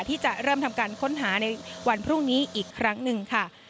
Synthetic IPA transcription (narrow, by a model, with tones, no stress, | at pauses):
t̪ʰiː˥˩t͡ɕa˨˩ʔɾɤː˥˩mt̪ʰa˧mkaː˧nkʰo˦˥nɦaː˩˦na˧jwa˧npʰɾu˥˩ŋniː˦˥ʔiː˨˩kʰːɾa˦˥ŋnɯ˧ŋkʰa˥˩